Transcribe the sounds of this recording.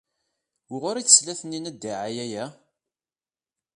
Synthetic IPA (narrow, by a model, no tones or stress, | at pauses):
ʊʁʊɾiθə̥slæθənːinæd̪ːiʕajæjæ